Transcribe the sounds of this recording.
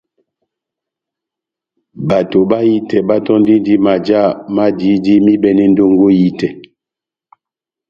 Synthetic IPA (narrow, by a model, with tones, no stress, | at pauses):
ba˨to˨ba˦ji˦tɛ˨ba˦tɔ˦n˦di˦di˦ma˨d͡ʒa˦˨ma˦di˨˦di˦mi˦bɛ˨nɛ˦n˦do˦ŋɡo˦ji˦tɛ˨